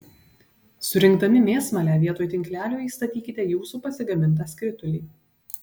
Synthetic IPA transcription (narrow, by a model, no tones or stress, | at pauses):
sʊɾʲɪŋkd̪ɐmʲɪmʲeːsmɐlʲæːʋʲiɛt̪oːjt̪ʲɪŋʲklʲæːlʲoːjist̪ɐt̪ʲiːkʲɪt̪ʲɛjuːsuːpɐsʲɪɡɐmʲɪnˑt̪̬ɐskɾʲɪt̪ʊlʲiː